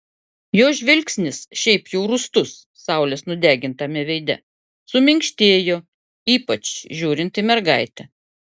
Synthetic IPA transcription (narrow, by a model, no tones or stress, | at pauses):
joːʒʲʋʲɪlʲksʲnʲɪsʃʲɛɪpjɛʊɾʊst̪ʊsːɑˑʊlʲesnʊd̪ʲæːɡʲɪnt̪ɐmʲɛʋʲɛɪd̪ʲɛ̰ | sʊmʲɪŋʲkʃʲt̪ʲeːjoː | iːpɐt͡ʃʒʲuːɾʲɪnt̪ɪmʲɛɾɡɐɪt̪ʲɛ